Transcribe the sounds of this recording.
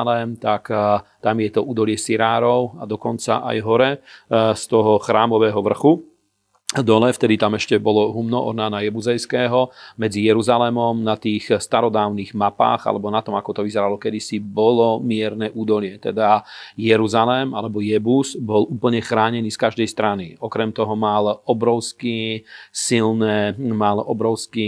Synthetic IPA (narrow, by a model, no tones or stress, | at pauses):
lɛmt̪akt̪amjɛt̪ɔʔuːd̪ɔlɪɛsiɾaːɾɔʊad̪ɔkɔnt͡sa̰ʔa̰jɦɔɾɛst̪ɔɦɔxɾaːmɔʋɛːɦɔʋr̩xu | d̪ɔlɛft̪ɛd̪it̪amɛʃcɛbɔlɔɦumnɔʔɔ̰ɾnaːnajɛbuzɛjskɛːɦɔmɛd͡zijɛɾuzalɛmɔmnat̪iːxst̪aɾɔd̪aːʊniːɣmapa̰ːɣa̰lɛbɔnat̪ɔmakɔt̪ɔʋizɛɾalɔkɛd̪isibɔlɔmɪɛɾnɛʔuːd̪ɔlɪɛt̪ɛ̰d̪ajɛɾuzalɛma̰lɛbɔjɛbuzbɔluːpl̩ɲɛxɾaːɲɛniːskaʒd̪ɛjst̪ɾaniɔkɾɛmt̪ɔɦɔmalɔbɾɔʊskisilnɛmalɔbɾɔʊski